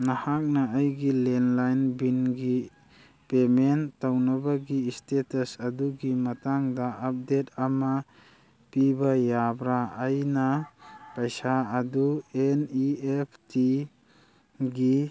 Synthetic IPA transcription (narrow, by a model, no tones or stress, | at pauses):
nahak̚naajɡilenlajnbinɡi | pementawnabaɡistetasaduɡimataŋdaʔap̚det̚ama | pibajabɾaajnapajsaːdueniepʰti | ɡi